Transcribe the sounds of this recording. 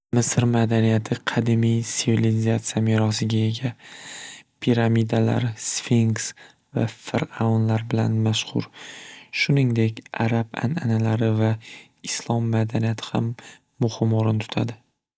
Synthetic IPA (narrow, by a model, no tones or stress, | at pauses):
mɪsɾmad̪anijat̪ʰɪqʰɑd̪ɪmijsɪvilizat̪sijamiɾɒs̬ɪɡʲae̞ɡʲa | pʰiɾamid̪ala̰ɾsfiŋks | va̰fɪɾaɒnlaɾbɪla̰nmaʃhʊ̰ɾʃʊnɪŋd̪e̞kʲa̰ɾaba̰na̰nalaɾɪva | ɪslˠɒmːad̪anijat̪ʰɪ̥ha̰mː | ʊhɪmoɾɪnt̪ʰʊ̥t̪ʰa̰d̪ɪ